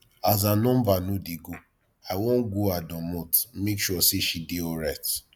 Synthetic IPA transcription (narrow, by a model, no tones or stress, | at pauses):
az̬anɔ̃mbanõdeɡo | aɪwõnɡoadɔ̃mɔ̃tmekʃuɔseʃideɔɹat